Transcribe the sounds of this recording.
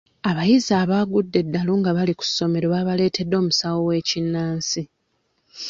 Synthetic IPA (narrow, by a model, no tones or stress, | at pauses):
aβajizaːβaːɡudːe̞dːaluːŋɡaβaliku̥sːo̞me̞ɾoβaβale̞ːtʰe̞dːo̞ːmusawowe̞ːcinːaːnsi